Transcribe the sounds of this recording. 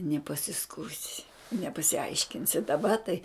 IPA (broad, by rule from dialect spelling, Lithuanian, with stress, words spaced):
nʲɛpɐsʲɪsˈkuːsʲɪ nʲɛpɐsʲɪˈɐɪʃʲkʲɪnʲsʲɪ dɐˈbɐ tɐɪ